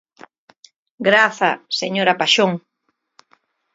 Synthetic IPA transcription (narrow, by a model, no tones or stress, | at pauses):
ɡɾaθaseɲoɾapaʃoŋ